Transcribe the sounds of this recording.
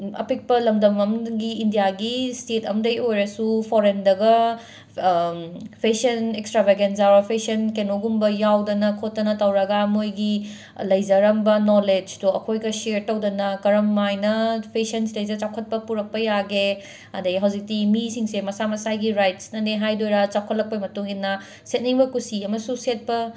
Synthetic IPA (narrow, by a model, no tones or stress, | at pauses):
ɐ̰pik̚pɐlɐmdɐmɐmɡiːndijaɡistetʰɐmdɐjojɾɐsupʰoɾendɐɡɐ | pʰesɐnekstɾabeɡensaɾɐpʰesiɐnkenoɡumbɐjawdɐnɐkʰotːɐnɐtɐwɾɐɡɐmojɡi | lɐjzɐɾɐmbɐnoled͡ʒtuɐkʰojɡɐseɾtɐwdɐnɐkɐɾɐmːajnɐpʰesɐnslɐjzɐɾt͡ʃawkʰɐt̚pɐpuɾɐk̚pɐjaɡe | ɐ̰dɐɡiɦɐwzik̚timisiŋsemɐsamɐsajɡiɾajtsnɐneɦajdojɾat͡ʃawkʰɐtlɐk̚pɐmɐtuŋinːɐ | set̚niŋbɐkusiɐmɐsuset̚pɐ